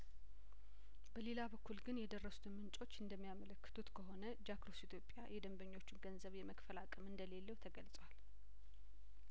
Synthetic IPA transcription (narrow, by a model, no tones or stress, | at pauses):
b̥əle̞labəkʰːulɡɨnjɛd̪ərːəsu̥t̪ʰɨmmɨnt͡ʃʼo̞t͡ʃːɨnd̪əmːijamələkːə̥t̪ʰut̪kʰəɦo̞nəd͡ʒakɾo̞sit̪ʰjo̞pʼja̰jɛd̪əmbəɲːo̞t͡ʃːɪnɡənzəβjɛməkfəlakʼəmɨnd̪əle̞lːəwt̪ʰəɡəlsʼwal